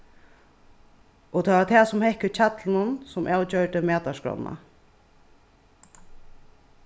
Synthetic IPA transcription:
ɔt̪ʰaːvat̪ʰɛːsʊmhɛhkət͡ɕʰat̪lɪnʊnsʊmʔaːwt͡ɕœɹt̪əmɛːt̪aʂkɾɔ̰nːa̰

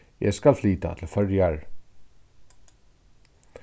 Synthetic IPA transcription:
jɛ̰skalfliːt̪a̰t̪ʰɪl̩fœɹjaɹ

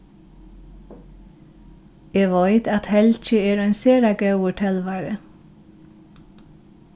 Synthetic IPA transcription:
eːʋɔʏt̪ɑt̪hɛlc͡çəeːɾœʏnseːɾɑːɡɑʉʊʈʰɛlʋæːɾə

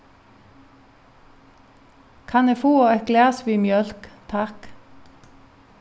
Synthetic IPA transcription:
kʰɑnefuːoːɛɡlæːsʋiːmjœlkt̪ʰɑk

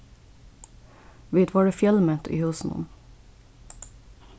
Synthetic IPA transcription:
ʋit̪ʰʋɑːɖeːfjɛlmət̪ʰḭːhʉːsn̩ʊ̰m

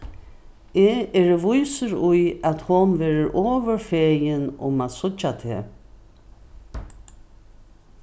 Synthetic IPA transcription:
eːeːɾəʋʊjsəɾʊjat̪hʊnʋeːɾəɾʔoːʋəɾfeːjɪnʊ̰maðsʊt͡ʃat̪ʰḛː

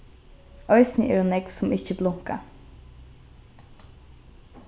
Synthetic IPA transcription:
œʏsnəʔɛ̰ɾonɛɡʋsɔmɪçəblʊŋka̰

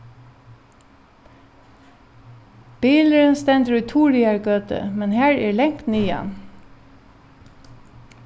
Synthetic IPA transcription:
b̥iːləɹənst̪ɛnd̪əɹʉt̪ʰuːɹɪɑɹɡøːt̪ə̰mɛnhæːɹɛːɹlɛŋt̪nyːɑ̰n

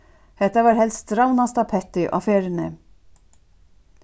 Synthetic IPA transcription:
hɛht̪avaːɾhɛlst̪ɾawnast̪apʰɛt̪ɪʔa̰feːɾɪnɪ

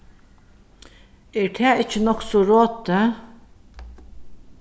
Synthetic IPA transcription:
eːɹt̪ʰæːɪt͡ʃːənɔksɔɾoːt̪ə

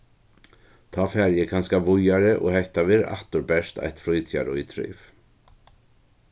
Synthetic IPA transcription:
t̪ʰaːfɛːɾjɛkʰanskavʊjaɾɪʔɔ̰ːɣhɛht̪aʋɪːɾʔa̰ht̪ʊɾbɛʂt̪a̰jt̪fɾʊjt̪ʰja̰ɾʊ̰jt̪ʰɾʏ̰jv

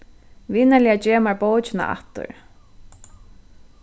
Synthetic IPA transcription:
vɪnalɪad͡ʒɛːmaɹpowt͡ʃɪna̰ʔa̰ht̪ʊ̰ɹ

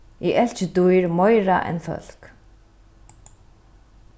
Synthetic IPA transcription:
iʔɛl̥t͡ɕɪt̪ujɾmœjɾaʔɛ̰nfœ̰l̥k

